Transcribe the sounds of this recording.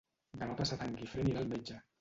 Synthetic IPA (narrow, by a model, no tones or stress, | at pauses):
d̪anɔt̪asat̪aŋkifɾeniɾalmed͡ʒa